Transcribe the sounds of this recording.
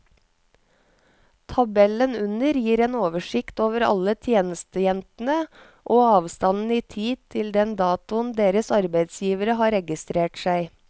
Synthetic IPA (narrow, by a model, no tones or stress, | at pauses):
t̪ʰɑbɛlənʉnəɾjiːɾeːnoːʋəʃɪkt̪oːʋəɾɑ̰lət̪ʰjeːnəst̪əjɛnt̪n̩ə | ʔoːɑːʋst̪ɑnn̩iːt̪ʰiːd̪̚t̪ʰɪld̪ɛnd̪ɑːt̪ʊnd̪eːɾəsɑɾbæɪd̪sjiːʋəɾəɦɑːɾɛɡɪst̪ɾeːʈsæɪ